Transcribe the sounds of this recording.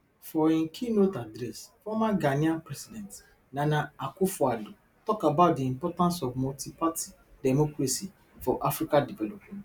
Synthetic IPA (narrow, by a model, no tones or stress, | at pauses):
fɔĩnkʰinotadɾɛsfɔmaɡanĩãpɾɛsidɛ̃nt | nãnãakʊfɔado | tɔkabaʊt̚diĩmpɔtãnsɔvmɔltipati̥ | dɛmokɾesi | fɔʔafɾikadivɛlɔpmɛ̃nt